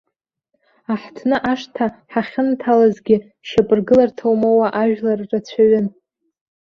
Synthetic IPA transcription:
aħtʰnɨʔaʂtʰaħaχʲɪntʰalazɡʲɪ | ʃapʼɨrɡɨlartʰawmowaʔaʒᶣlarːat͡ɕʷʰaɥɪn

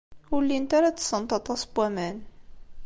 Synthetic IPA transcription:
ʊɾlːint̪aɾat͡sːsːənt̪ˤɑt̪ˤɑsbwæmæn

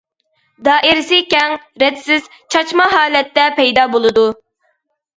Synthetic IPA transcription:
d̪ɑːʔɪɾsɪkʲɛŋɾɛd̪sɪz̥ | t͡ʃʰɑt͡ʃmɑɦɑːlɛt̪ːɛpɛjd̪ɑːbolˠɨd̪u

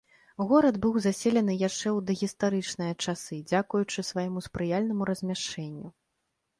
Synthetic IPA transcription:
ɣɔɾɐd̪bɨwzasʲelʲɐnɨjaʂt͡ʂɛwd̪ɐɣʲist̪aɾɨt͡ʂnɨjɐt͡ʂasɨd͡zʲakujut͡ʂɨsvajɛmuspɾɨjalʲnɐmuɾɐzʲmʲaʂt͡ʂɛnʲːu

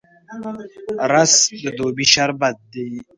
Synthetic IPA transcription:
ɾasd̪əd̪obiʃaɾbɐt̪̚d̪e

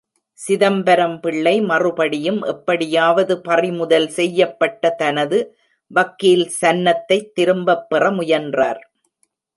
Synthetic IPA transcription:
sɪðɐmbɐɾɐmpɪɭːɐɪmɐrɯpɐɽɪjɯmʔɛpːɐɽɪjaːʋɐðɯpɐrɪmʊðɐlsɛjːɐpːɐʈːɐt̪ɐnɐðɯ | ʋɐkːilsɐnːɐt̪ːɐɪt̪ːɪɾɯmbɐpːɪrɐmʊjɐndra̰ːɾ

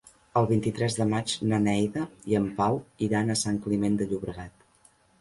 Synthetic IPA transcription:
əlˠβint̪it̪ɾɛzðəmat͡ʃnənɛjðəiəmpawiɾanəsaŋklimend̪əʎuβɾəɣat̪

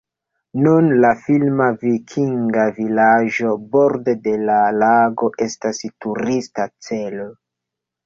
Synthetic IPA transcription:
nunlafilmavikʰiŋɡavilaʒo̞bo̞ɾde̞de̞lalaɡo̞ʔe̞stastuɾistat͡se̞lo

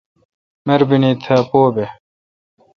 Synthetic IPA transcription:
meɾbinit̪ʰɐpoːbe

